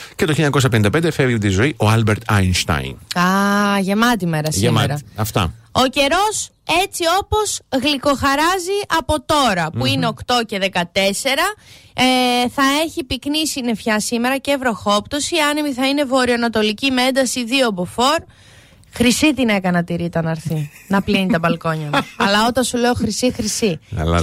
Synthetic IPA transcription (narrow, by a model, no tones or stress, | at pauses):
cet̪oiliɲɐko̞s̬ɐp̬enind̪ɐpend̪efevit̪izo̞iʔo̞ɐlbeɾt̪ɐ̰jnst̪ɐ̰jnɐʝe̞mɐt̪̬ime̞ɾɐsemeɾɐɐft̪ɐ̰o̞ce̞ɾo̞se̞t͡sio̞po̞zɣliko̞xɐɾɐziʔɐpo̞t̪o̞ɾɐpuineo̞kt̪o̞ce̞ðe̞kɐt̪e̞se̞ɾɐ | θɐe̞çipiknisine̞fçɐsimeɾɐcevɾo̞xo̞pt̪osiɐnemiθɐine̞vo̞ɾioɐnɐt̪o̞licimeend̪ɐsiðio̞bofo̞ɾ | xɾisit̪ine̞kɐnɐt̪iɾit̪ɐnɐɾθinɐplinit̪ɐbɐlko̞ɲɐmɐlɐo̞t̪ɐnsule̞oxɾisixɾisḭl